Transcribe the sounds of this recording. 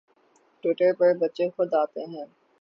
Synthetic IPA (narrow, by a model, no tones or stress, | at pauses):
ʈuːʈəɾpɐɾbɐtːʃexʊd̪aːt̪eɦɛ̃ː